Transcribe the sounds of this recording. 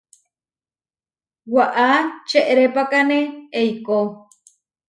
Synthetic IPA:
waʔat͡ʃeʔeɾepakaneejko

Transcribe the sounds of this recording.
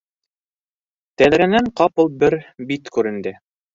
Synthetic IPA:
t̪æðɾænæɴqɑpulˠbɘɾbit̪kʉɾɘ̆nd̪ɘ

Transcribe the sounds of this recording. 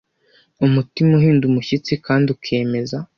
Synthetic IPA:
umutimuhiːndumuçit͡sikaːndiukʰe̞ːme̞za

